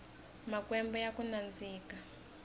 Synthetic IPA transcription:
makwɛmbɔjakunand͡ziːka

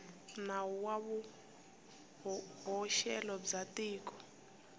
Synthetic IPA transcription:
nawuwaβu | ɦɔʃɛlɔb͡ʐatiːkɔ̥

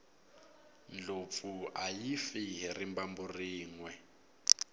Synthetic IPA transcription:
n̩d͡ɮop̪fuajifirimbamburiːŋwɛ

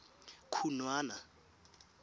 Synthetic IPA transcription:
kʰunwaːna

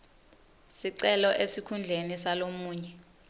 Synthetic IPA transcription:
siǀɛlɔʔesikʰund͡ɮʱenisalomuːɲɛ

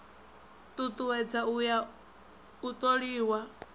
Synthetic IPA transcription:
t̪ʼut̪ʼuwɛd͡zauja | ut̪ʼoɺiːwa

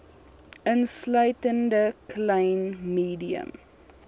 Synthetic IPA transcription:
ənslœɥtəndəklɛjnmiːdiə̰m

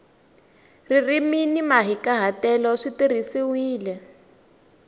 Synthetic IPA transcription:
ririminimaɦikaɦatɛlɔʂitirisiwiːlɛ

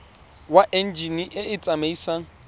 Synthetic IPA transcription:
waʔɛnd͡ʒiniʔɪɪt͡sʼameisaŋ̩

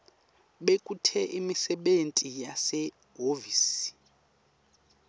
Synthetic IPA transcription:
ɓekʼutʰɛʔimisɛɓentʼijasɛ | ɦoviːsi̥

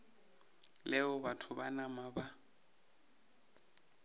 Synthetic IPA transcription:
lɛɔbatʰʊbanamaba

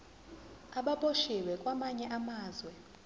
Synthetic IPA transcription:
aɓaɓoʃiwɛkʼwamaɲɛʔamaːzwɛ

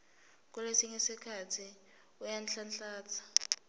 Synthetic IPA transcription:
k̬ʼulesiŋesikʰatʰi | ujanɬanɬaːt͡sʰḁ

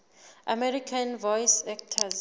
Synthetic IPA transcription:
ʔamɛɾikʰanvɔjsɛk̚tʰaz

